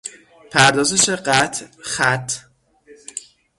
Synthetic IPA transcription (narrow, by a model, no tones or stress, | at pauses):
pʰæɾd̪ɒːzeʃeɢæt̪ʰxæt̪ʰː